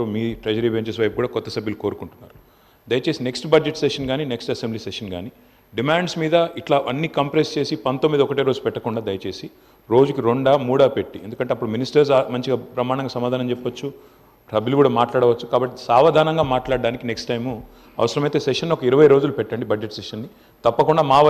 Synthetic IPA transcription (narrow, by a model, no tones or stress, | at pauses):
umiːʈɾɐd͡ʒɐɾibeɲt͡ʃɐs̬ʋɐjp̚kuːɽaːkɔt̪ːɐsɐbʱːiluko̞ːɾukuɳʈunːa̰ːɾu | d̪ɐjɐt͡ʃe̞ːsine̞ksʈbɐd͡ʒe̞ʈseʂɐnɡaːnineksʈɐsembliːseʂɐnɡaːni | ɖimaːɳɖsmiːd̪ɐiʈlaːʔɐnːikɐmpɾest͡ʃe̞ːsipɐnt̪o̞mːid̪ɐɔkɐʈeːɾo̞ːd͡ʒupɛʈːɐkuɳɖaːd̪ɐjɐt͡ʃe̞ːsi | ɾo̞ːd͡ʒukiɾoɳɖaːmuːɽaːpeʈːie̞nd̪ukɐɳʈeɐpːuɽuminisʈɐɾs̬amɐɲt͡ʃiɡaːpɾɐmaːɳɐŋɡaːsɐmaːd̪aːnɐmt͡ʃɛpːɐt͡ʃːu | ʈɐbʱilukuːɽaːmaːʈlaːɽɐʋɐt͡ʃːukaːbɐʈːisaːʋɐd̪ʱaːnɐŋɡaːmaːʈlaːɖɖaːnikine̞ksʈɐjmu | ɐ̰ʋɐsɐɾɐmɐjt̪e̞ːseʂɐnːɔkɐiɾɐʋɐjɾo̞ːd͡ʒulupɛʈːɐɳɖibɐd͡ʒeʈseʂɐnːi | t̪ɐpːɐkuɳɖaːmaː